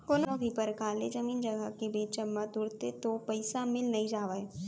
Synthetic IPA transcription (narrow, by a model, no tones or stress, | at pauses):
konõbʱipɐɾkaːled͡ʒɐmiːnd͡ʒɐɡakebeːt͡ʃəmːãt̪ʊɽt̪et̪opɐɪsamɪlnɐĩd͡ʒaːʋae